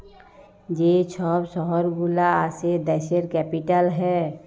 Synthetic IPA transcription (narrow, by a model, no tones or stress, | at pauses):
d͡ʒet͡ʃʰɔːbsɔɦɔɾɡulaased̪ɛʃəɾkɛpiʈəlɦɛː